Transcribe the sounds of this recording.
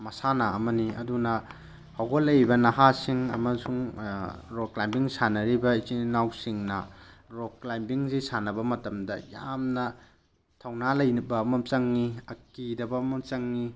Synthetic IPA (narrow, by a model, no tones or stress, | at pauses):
mɐsanaɐmɐniɐ̰dunɐ | hawɡolːɐjbɐnɐɦasiŋɐ̰mɐsuŋ | ɾoklajmbiŋsanɐɾibɐit͡ʃinawsiŋnɐɾoklajmbiŋzisanɐbɐmɐtɐmdɐjamnɐ | tʰɐwnalɐjnibɐmɐmt͡ʃɐŋniɐkidɐbɐmɐmt͡ʃɐŋni